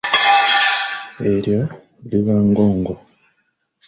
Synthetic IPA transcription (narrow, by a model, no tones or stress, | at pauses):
eɾja | liβaːŋɡoːŋɡo